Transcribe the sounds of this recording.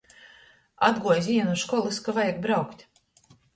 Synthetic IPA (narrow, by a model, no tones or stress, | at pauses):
a̰d̪ɡuɔjzʲiɛnuʃkɔlˠɨskavajaɡ̚bɾawkt̪ʲ